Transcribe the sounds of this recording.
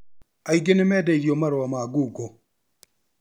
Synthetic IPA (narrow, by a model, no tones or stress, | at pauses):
ajɡenɪmɛdadiomaɾwamaːɡuɡo